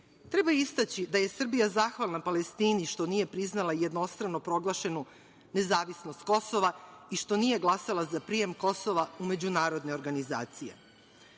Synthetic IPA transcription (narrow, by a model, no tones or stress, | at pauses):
t̪ɾe̞baist̪at͡ɕid̪aje̞sr̩bijazaːxʋalˠnapale̞st̪iːniʃt̪o̞nije̞pɾiznalˠaje̞d̪no̞st̪ɾano̞pɾo̞ɡlˠaʃe̞nu | ne̞zaːʋisno̞st̪̚ko̞so̞ʋaiʃt̪o̞nije̞ɡlˠasalˠazapɾije̞mko̞so̞ʋaume̞d͡ʑunaːɾo̞d̪ne̞o̞ɾɡaniza̰ːt̪sije̞̰